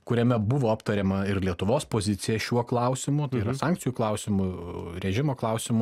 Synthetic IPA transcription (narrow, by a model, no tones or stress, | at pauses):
kʊɾʲɛmʲɛbʊʋoːɐpt̪ɐɾʲɛːmɐɪɾlʲiɛt̪ʊʋoːspoːzʲɪt̪ʲɪjɛʃʲuɔklˠɐˑʊsʲɪmʊt̪ɐɪiɾɐsɑŋkt͡s̪ʲɪjuklˠɐʊsʲɪmʊɾʲɛʒʲɪmoːklˠɐʊsʲɪmʊ